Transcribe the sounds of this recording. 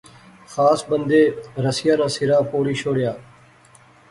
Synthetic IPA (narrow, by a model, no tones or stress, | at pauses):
xaːsbənd̪eːɾəsɪjaːnãːsɪɾaːpoːɽiːʃʰoːɽjaː